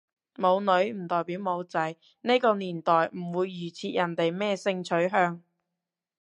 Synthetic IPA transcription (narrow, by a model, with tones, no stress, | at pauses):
mo˨˧wnɵ˨˥ɥm̩˨˩t̪ɔː˨jpiː˨˥wmo˨˧wt͡sɐ˨˥j | ne˥kɔː˧niː˨˩nt̪ɔː˨˩jm̩˨˩wuː˨˧jːyː˨˩t͡sʰiː˧˥t̚jɐ˨˩nt̪e˨jmɛː˥˧sɪ˧ŋt͡ʃʰɵ˨˥ɥɦœː˧ŋ